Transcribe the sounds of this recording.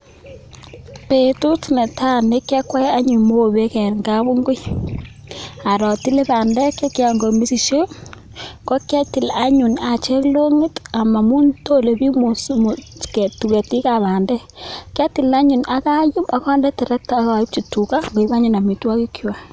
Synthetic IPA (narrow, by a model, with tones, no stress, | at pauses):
pe˨tu˦tne˨ta˦ne˦kɛ˦kwa˦a˦ɲu˨mo˦˨βe˦kɛ˨ŋɡa˦βu˦ŋɡʊ˦j | a˨ɾɔ˨ti˦le˦baː˨ndɛ˦ke˦kja˨ŋɡo˨mi˦si˨ʃe˦ | ko˦kja˦ti˨la˦ɲu˨na˨t͡ʃe˦klo˦ŋɪ˦ta˨ma˨mu˦nto˦le˨bi˦mo˨sm˨kɛ˨tu˨ke˨ti˦ka˨βaː˨ndɛ˦kja˦ti˨la˦ɲu˨na˦ka˦ju˦ma˦kɔ˦ndɛ˦tɛ˨ɾɛ˦k̚ta˦ka˨i˦p̚t͡ʃi˨tu˨ka˦ŋɡo˨i˦βa˦ɲu˨na˨mi˨twa˦ki˦kʰwa˦